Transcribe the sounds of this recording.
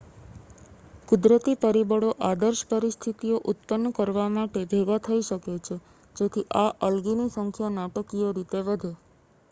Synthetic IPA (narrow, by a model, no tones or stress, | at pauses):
kud̪ɾət̪ipəɾibəɽoʔad̪əɾʃpəɾist̪ʰit̪ijoʔut̪pənːkəɾʋamaʈed̪ʱeʋat̪ʰəiʃəket͡ʃʰe | d͡ʒok̪ʰiʔaʔəlɡinisəŋkʰjanaʈəkioɾit̪eʋəd̪ʱe